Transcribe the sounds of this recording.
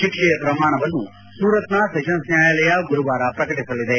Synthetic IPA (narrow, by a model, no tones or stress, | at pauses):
t͡ʃikʂɛjɐpɾɐmaːɳɐʋɐnːu | suːɾɐt̪nasɐʃɐnsnjaːjaːlɐjɐɡuɾuʋaːɾɐpɾɐkɐʈisɐlid̪e̞